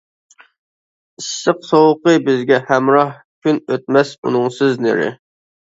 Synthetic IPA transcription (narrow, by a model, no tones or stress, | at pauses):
isːɨqsowəqəbɪzɡʲɛhæmɾɑh | kʲʰynøt̪̚mɛsṵnɨŋsɪznɪ̰ɾɪ̰